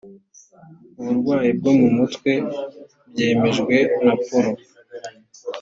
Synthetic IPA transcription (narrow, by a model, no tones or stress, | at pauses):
uβuɾɡwaːjib̚ɡo̞mumutkwe̞ | b̚jeːme̞ʒɡwe̞napoɾo